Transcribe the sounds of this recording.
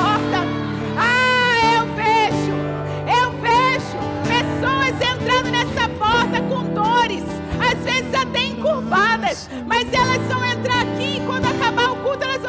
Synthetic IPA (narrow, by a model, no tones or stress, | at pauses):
ɔɾt̪ɐ | aewfeʃʊ | ewfeʒʊ | pesõwɐzẽnt̪ɾɐ̃nd̪ʊnɛsɐpɔɾt̪ɐkõd̪oɾɪs | azvezɪzat̪ẽj̃kolpad̪ɐs | mɐzɛlɐsfɐ̃w̃ẽnt̪ɾaɾakiɪkwɐ̃nd̪ʊakabaɾ̃kut̪ʊɛlɐz